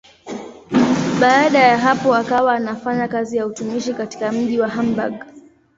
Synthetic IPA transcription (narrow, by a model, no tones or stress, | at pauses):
ɓaːɗajaɦapɔakawaːnafaɲakazijautumiʃikati̥kam̩ʄiwaɦamba̰ɡ